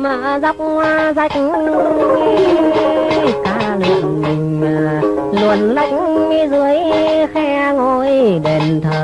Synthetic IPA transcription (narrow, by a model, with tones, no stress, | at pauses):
maː˧˩za˦˥wk͡p̚ŋwaː˧za˧˩jk̚ŋ˧ | kaː˨˦lɨ̰˧˨ənmï˨˩ŋ̟ː˨˩ | lu˨˩ənza˨˦˩jk̚ | mi˧zɨ˨˧˦əjxɛ˧ | ŋo˧˩jɗe˨˩nt̪ʰəː˨˩